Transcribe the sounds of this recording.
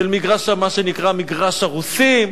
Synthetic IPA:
elmiɡʁaʃamaʃenikʁamiɡʁaʃaʁusim

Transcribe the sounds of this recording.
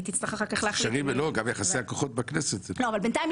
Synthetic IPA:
t̪it͡slaχaχakeχlaaaʁimloɡamjaχasejakoχot̪̚bakneset̪loavalbent̪ajim

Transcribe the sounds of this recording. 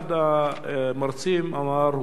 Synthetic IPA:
d̪a | mɑɾˤsiːmʔamɑːɾˤ

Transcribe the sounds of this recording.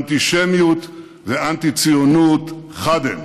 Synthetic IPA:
nt̪iʃemjut̪ | veʔant̪it͡sijonut̪χad̪ḛm

